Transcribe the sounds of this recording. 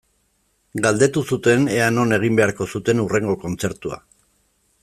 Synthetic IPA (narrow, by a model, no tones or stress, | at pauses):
ɡald̪e̞t̪usut̪e̞ne̞ano̞ne̞ɣ̞imbe̞aɾko̞sut̪e̞nure̞ŋɡo̞ko̞nt͡se̞ɾt̪ua̰